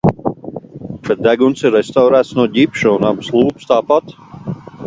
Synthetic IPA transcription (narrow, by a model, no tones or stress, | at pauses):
pɾɛt̪̚d̪æɡunt̪siɾːɛst̪awɾæːt̪snuɔɟʲipʃuunabɨslˠuːpst̪aːpat̪